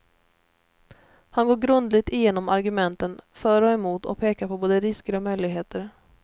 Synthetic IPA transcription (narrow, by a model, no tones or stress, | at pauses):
hanɡoːɾɡɾɵnd̪lɪɡ̚t̪ɪjeːnɔmaɾɡɵmɛnt̪ənfœːɾɔɛmuːt̪ʰɔ̰k̚pʰeːkaɾpʰɔboːd̪əɾɪskəɾɔmœjlɪɡɦeːt̪əɾ